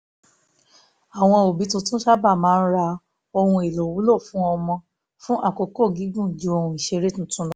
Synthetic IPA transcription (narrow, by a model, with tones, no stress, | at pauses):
a˨w̃ɔ̃˧o˨bi˨˦tũ˧tũ˦ʃa˦ba˦˨mãː˦ɾa˧ | o˧hũ˧e˨lo˨wu˨˦lo˦˨fũ˦ɔ˧mɔ̃˧ | fũ˦ʔa˦˨ko˨ko˦˨ɡi˨˦ɡũ˦˨d͡ʒu˨˦o˧hũ˧i˨ʃe˧ɾe˦tũ˦˨tũ˦lɔ˦